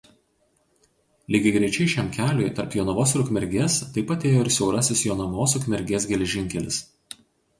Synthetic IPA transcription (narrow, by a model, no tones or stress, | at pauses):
lʲɪːɡʲɪɡɾʲɛɪt͡ʃʲɛɪʃʲæmkʲæːlʲʊɪt̪ɐɾpjoːnɐʋoːsɾʊkʲmʲɛɾʲɡʲeːst̪ɐɪpɐt̪ʲeːjoːɪɾsʲɛʊɾɐsʲɪsjoːnɐʋoːsʊkʲmʲɛɾʲɡʲeːsɡʲɛlʲɛʒʲɪŋʲkʲɛlʲɪs